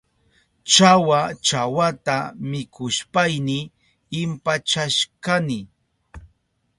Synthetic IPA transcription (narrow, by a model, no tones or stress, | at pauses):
t͡ʃawat͡ʃawat̪amɪkʊʃpajnɪː | mpat͡ʃaʃkanɪ